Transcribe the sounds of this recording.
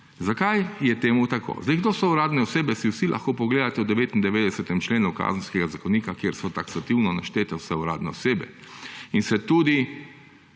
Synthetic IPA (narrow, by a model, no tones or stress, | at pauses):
zakajjɛt̪eːmut̪akʰo̰zd̪ɛjɡd̪oːsɔuɾaːd̪nɛɔseːbɛsiwsilʔa̰xkoːpɔɡleːd̪at̪ɛwd̪ɛʋeːt̪ind̪ɛʋeːd̪ɛsɛt̪ɛmt͡ʃleːnuka̰ːzən̩skɛɡazakɔwniːkakjeɾsɔt̪aksat̪iwnɔnaʃt̪eːt̪ɛwsɛuɾa̰ːd̪nɛɔseːbɛ̰ | insɛt̪uːd̪i